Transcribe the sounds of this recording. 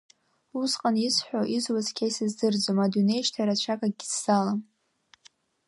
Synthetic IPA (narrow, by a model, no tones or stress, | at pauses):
usqʼanisħᶣʷoʔizwazkʲʰajsɨzdɨrd͡zomadune̞jʃtʰaɾat͡ɕʷʰakʼaɡʲisz̥alam